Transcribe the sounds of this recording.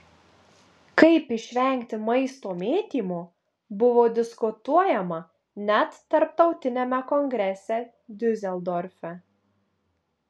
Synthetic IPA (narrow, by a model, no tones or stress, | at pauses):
kɐɪpɪʃʲʋʲɛŋʲkt̪ʲɪmɐɪst̪oːmʲeːt̪ʲiːmoː | bʊʋoːd̪ʲɪskʊt̪uɔjɛmɐ | nʲɛt̪ːɐɾp̚t̪ɒʊt̪ʲɪnʲɛmʲɛkɔŋɡɾʲɛsʲɛ | d̪ʲɵzʲɛlˠd̪ɔɾʲfʲɛ